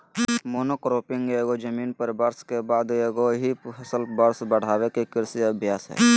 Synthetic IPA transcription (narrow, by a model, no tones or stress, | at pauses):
moːnoːkɾoːpɪ̃ŋɡeːɡod͡ʒəmiːnpəɾbɐɾskebaːd̪eːɡoɦihɐsəlbəɾsbəɽ̤aːwekekɪɾsiɐbʱjaːsɦɛ̰ː